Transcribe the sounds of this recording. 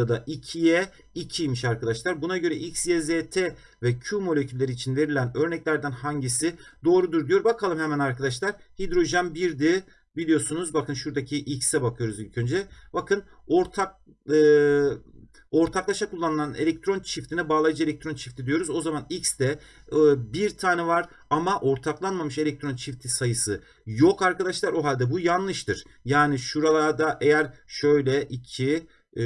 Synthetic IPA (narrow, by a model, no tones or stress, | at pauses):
ad̪aʔicʰijɛ | icʰijmiʃaɾkad̪aʃlˠaɾbunaɟø̞ɾɛʔicsjɛzeːt̪ʰe | vɛcʰumo̞lʲecʰylʲːeɾiːt͡ʃʰinve̞ɾilʲænø̞ɾnɛclʲæɾd̪ænhaɲɟisid̪o̞ːɾud̪uɾd̪ijo̞ɾbakʰalˠɯmhɛmænaɾkad̪aʃlˠaɾ̥hid̪ɾo̞ʒanbiɾd̪i | bilʲijo̞ɾsunuzbakɯnʃuɾd̪acʰiʔicsɛbakʰɯjo̞ɾuzilʲcʰønd͡ʒɛbakʰɯn | oɾt̪ʰak̚ | ɯ | o̞ɾt̪ʰaklˠaʃakʰulˠːanɯlˠane̞̰lʲɛc̚t̪ɾo̞nt͡ʃʰift̪ʰinɛbaːlˠajɯd͡ʒɯe̞lʲɛc̚t̪ʰɾont͡ʃʰift̪ʰid̪ijo̞ɾuzo̞zamanicsd̪ɛ | biɾt̪ʰaːnɛvaɾ | amaʔo̞ɾt̪ʰaklˠanmamɯʃe̞lʲɛc̚t̪ʰɾo̞nt͡ʃʰift̪ʰisajɯsɯ | jo̞kaɾkad̪aʃlˠaɾo̞ɦalʲd̪ɛbujanlˠɯʃt̪ʰɯɾ̥jaːniʃuɾalˠaɾd̪aʔe̞jæɾʃø̞jlʲɛʔit͡ʃʰi